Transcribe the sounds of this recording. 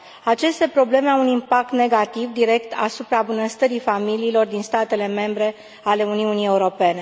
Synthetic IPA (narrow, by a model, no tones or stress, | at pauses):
at͡ʃe̞st̪e̞pɾo̞ble̞me̞awunimpak̚t̪ne̞ɡat̪ivd̪iɾe̞kt̪ʰa̰supɾabunəst̪əɾifamiliːlo̞rd̪inst̪at̪e̞le̞me̞mbɾe̞ | ale̞uniunije̞uɾo̞pe̞ne̞